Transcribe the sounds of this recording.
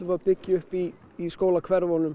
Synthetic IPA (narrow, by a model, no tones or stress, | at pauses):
ɪvapɪcːɪʏhpiː | skoːwlakʰvɛɾvonʏm